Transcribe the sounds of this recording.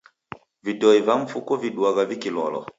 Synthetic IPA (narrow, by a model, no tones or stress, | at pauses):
vidɔivaɱ̩fukɔviɗuaɣavikilɔ̰lɔ̰